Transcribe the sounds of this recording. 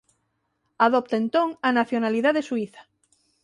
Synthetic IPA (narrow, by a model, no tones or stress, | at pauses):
aðop̚t̪aẽnt̪õŋanaθjonaliðaðesuiθḁ